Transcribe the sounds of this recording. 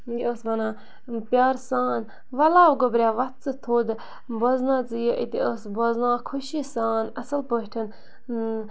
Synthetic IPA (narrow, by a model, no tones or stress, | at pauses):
ɡiəsʋɐnãː | pʲjaːɾsaːn | ʋɐlaːʋɡobɾʲjaːʋɐt̪̚t͡sɨt̪ʰoːd̪ | bɐznãːt͡sɨjəʔit̪iəsboznãːkʰuʃisaːnɐsəlpəɦʈʰən